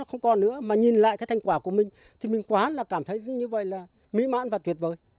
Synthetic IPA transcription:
ɔ˨˦xə˧wŋ͡mkɔ˨˩nːɨ̰˧˥əmaː˨˩ɲi˨˩nla̰ː˧˨ʔkaː˨˦jt̪ʰŋ̟kwaː˧˩ku˧˩əmï˨˩ŋ̟ | t̪ʰi˨˩mï˨˩ŋ̟kwaː˨˧˦nlaː˨˩kaː˧˩mt̪ʰə˨˦jzə˨˦ɲɨ˧və̰˧˨jlaː˨˩ | mḭ˧˥ma̰ː˧˥nvaː˨˩t̪wi˨˩t̚vəː˨˩j

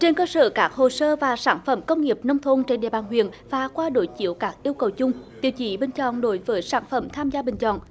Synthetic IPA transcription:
t͡ɕe˧nkəː˧sə̰ː˧˨kaː˦˥k̚ho˨˩səː˧vaː˨˩saː˧˩nfə˧˥mkə˧wŋ͡mŋi˨˩əp̚nə˧wŋ͡mt̪ʰo˧nt͡ɕe˧nɗḛ˧˨ɓaː˨˩nɦwḭ˧˨ənvaː˨˩kwaː˧ɗo˧˨˦jt͡ɕḭ˧˥əwkaː˦˥k̚ʔi˧əwkə˨˩wt͡ɕʊ˧ŋ͡mt̪ḭ˨əwt͡ɕi˧˦ɓï˨˩ŋ̟t͡ɕɔ̰˧˨nɗo˨˦jvəː˨˦jsaː˧˩nfə˧˩mt̪ʰaː˧mzaː˧ɓï˨˩ŋ̟t͡ɕɔ̰˧˨n

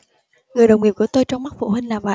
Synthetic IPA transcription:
ŋɨ˨˩əjɗə˨˩wŋ͡mwḭ˧˩˨nku˧˩ət̪o˧jt͡ɕɔ˧wŋ͡mma˦˥k̚fṵ˧˨hï˧ŋ̟laː˨˩maː˨

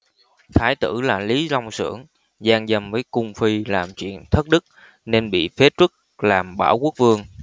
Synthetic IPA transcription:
t̪ʰaː˨˦jt̪ɨ̰˧˩laː˨˩li˨˦za˧wŋ͡msɨ̰˧˩əŋ | zaː˧ŋzə˨˩mvəː˨˦jkʊ˧ŋ͡mfi˧laː˨˩mt͡ɕwḭ˧˨ənt̪ʰə˦˥t̚ɗɨ˦˥k̚ | ne˧nɓḭ˧˨fe˨˦˥t͡ɕwɨ˦˥k̚laː˨˩mɓaː˧˩wku˦˥ək̚vɨ˧əŋ

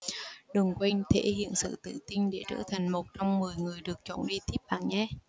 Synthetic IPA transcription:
ɗɨ˨˩əŋkwɛ˧ŋ̟t̪ʰe˧˥hḭ˧˨ənsɨ̰˧˨t̪ɨ̰˧˨t̪i˧ŋ̟ɗe˧˩t͡ɕə̰ː˧˩t̪ʰa˨˩jŋ̟mo˨˩t̚t͡ɕɔ˧wŋ͡mmɨ˨˩əjŋɨ˨˩əjɗɨ˨˩ək̚t͡ɕɔ˧˩nɗi˧t̪ʰi˦˥p̚ɓa̰ː˧˨nɲa˧˦

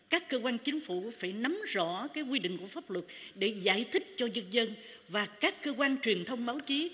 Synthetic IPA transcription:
kaː˦˥kːəː˧kwaː˧nt͡ɕï˨˦ŋ̟fṵ˧˩˨faː˧˩jna˨˦mzɔ̰˧˥kaː˨˦jkwi˧ɗḭ̈˧˨ŋ̟ku˧˩əfaː˦˥p̚lwə˨˩t̚ɗe˧˩za̰ː˧˩jt̪ʰï˦˥k̟̚t͡ɕɔ˧zə˧nzə˧n | vaː˨˩kaː˦˥kːəː˧kwaː˧nt͡ɕwi˨˩ənt̪ʰə˧wŋ͡mɓaː˨˦wt͡ɕi˨˦

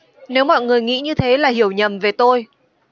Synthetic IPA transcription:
ne˨˦wmɔ̰˧˨jŋɨ˨˩əjŋḭ˧˥ɲɨ˧t̪ʰe˨˦laː˨˩hi˧˩əwɲə˨˩mve˨˩t̪o˧j

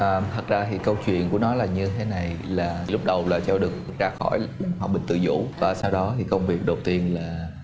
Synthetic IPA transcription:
ʔəː˨˧˩t̪ʰə˨˩t̚zaː˧t̪ʰḭ˧˨kə˧wt͡ɕwḭ˧˨ənku˧˩ənɔ˨˦laː˨˩ɲɨ˧t̪ʰe˨˦na˨˩jlaː˨˩i˨lʊ˦˥k͡p̚ɗə˨˩wlaː˨˩t͡ɕɔ˧ɗɨ˨˩ək̚zaː˧xɔ̰˧˩jɗaː˨˩mhwaː˨˩ɓï˨˩ŋ̟t̪ɨ̰˧˨zṵ˧˩˥vaː˨˩saː˧wɗɔ˨˦t̪ʰi˨˩kə˧wŋ͡mvi˨˩ək̚ɗə˨˩wt̪i˧ənlaː˨˩

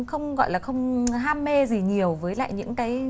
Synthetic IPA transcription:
xə˧wŋ͡mɣɔ̰˧˨jlaː˨˩xə˧wŋ͡mɦaː˧mːe˧zi˨˩ɲi˨˩əwvəː˨˦jla̰ː˧˨jɲɨ̰˧˥ŋkaː˨˦j

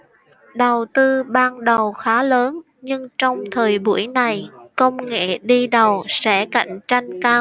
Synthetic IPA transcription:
ɗə˨˩wt̪ɨ˧ɓaː˧nɗə˨˩wxaː˨˦ləː˨˦n | ɲɨ˧ŋt͡ɕɔ˧wŋ͡mt̪ʰəː˨˩jɓṵ˧˩əjna˨˩jkə˧wŋ͡mŋḛ˧˨ɗi˧ɗə˨˩wsɛ̰˧˥ka̰˧˨jŋ̟t͡ɕa˧jŋ̟kaː˧w

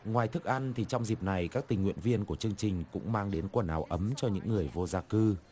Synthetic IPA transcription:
ŋwaː˨˩jt̪ʰɨ˦˥k̚ʔa˧nt̪ʰi˨˩t͡ɕɔ˧wŋ͡mzi˨˩p̚na˨˩jkaː˦˥k̚t̪ï˨˩ŋ̟ŋwḭ˧˨ənvi˧ənku˧˩ət͡ɕɨ˧əŋt͡ɕï˨˩ŋ̟kʊ̰˧˥ŋ͡mmaː˧ŋɗe˨˦nkwə˧˩nʔaː˨˦wʔə˨˦mt͡ɕɔ˧ɲɨ̰˧˥ŋːɨ˨˩əjvo˧zaː˧kɨ˧

